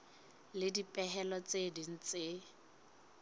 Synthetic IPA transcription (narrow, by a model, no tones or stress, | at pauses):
lɪdipʼɛɦɛlɔt͡sʼedin̩t͡se